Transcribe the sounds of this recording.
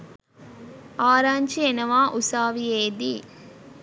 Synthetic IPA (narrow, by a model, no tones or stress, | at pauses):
aːɾaːɲt͡ʃienɐʋaːʔusaːʋieːd̪i